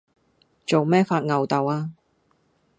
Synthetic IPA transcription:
t͡so˨wmɛː˥faː˧t̚ŋɐ˨wt̪ɐ˨waː˧

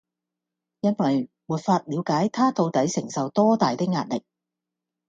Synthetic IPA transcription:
jɐ˥nwɐ˨j | muː˨t̚faː˧t̚liː˨˧wkaː˨˥jt̪ʰaː˥t̪o˧wt̪ɐ˨˥jsɪ˨˩ŋsɐ˨wt̪ɔː˥t̪aː˨jt̪ɪ˥k̚ŋaː˧t̚lɪ˨k̚

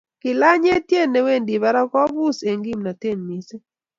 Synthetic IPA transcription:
kɪ˨la˦ɲe˦tje˦˨nːe˦we˦˨ndi˨βa˦ɾa˦kɔ˦bu˦se˨ŋɡi˦mna˨te˦˨nmi˦se˦

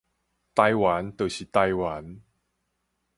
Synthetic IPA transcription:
t̪a˧jwa˨˦nt̪ə˨˩ɕi˨t̪a˧jwa˨˦n

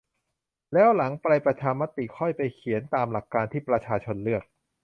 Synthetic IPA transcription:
lɛː˦˥wla˩˦ŋpɾa˧jpɾa˧t͡ɕʰaː˧nma˦˥t̪i˨˩kʰɔ˥˩jpa˧jkʰi˨˩˦ənt̪aː˧mla˨˩kːaː˧nt̪ʰiː˥˩pɾa˧t͡ɕʰaː˧t͡ɕʰo˧nlɯ˥˩ək̚

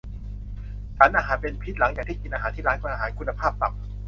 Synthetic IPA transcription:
t͡ɕʰaː˩˦nʔaː˧ɦaː˩˦npe˧npʰi˦˥t̪̚la˩˦ŋjaː˨˩k̪̚ʰiː˥˩ki˧nʔaː˧ɦaː˩˦nt̪iː˥˩laː˦˥nka˧˩naː˧ɦaː˩˦nkʰu˧nːa˧pʰaː˥˩p̚t̪a˨˩k̚

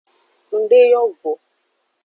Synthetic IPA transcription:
n̩˨ɖe˦jɔ˦vo˨

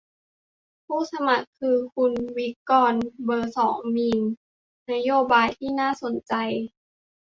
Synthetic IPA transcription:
pʰuː˥˩sa˧ma˨˩kʰːɯː˧kʰu˧nwi˦˥kːɔː˧˩nbɤː˧sɔː˩˦ŋmiː˧n | na˦˥joː˧baː˧jt̪ʰiː˥˩naː˥˩˨so˨˩˦nt͡ɕa˧j

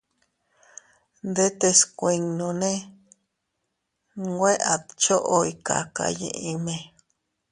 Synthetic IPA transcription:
nd̪e˦t̪e˧skʷi˧ŋnõ˧nẽ˦ | we˦ʔa˨t̪t͡ʃo˦ʔo˦i˧ka̰˨ka̰˨˧jḛ̃˧ʔĩ˧mẽ˧

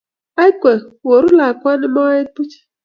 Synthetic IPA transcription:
a˦jkʷe˨wo˨ɾu˦la˨kʷa˦nɪ˦ma˦ɪ˦pu˦t͡ʃi̥˨

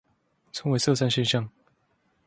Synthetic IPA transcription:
t͡sʰɤ˧˥ŋwe˧˥ɪsɤ˥˧sa˥˧nɕjɛ˥˧nɕjɑ˥˨ŋ

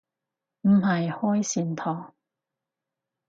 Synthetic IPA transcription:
m̩˨˩hɐ˨jhɔː˥jsiː˨˩nt̪ʰɔː˨˩ŋ

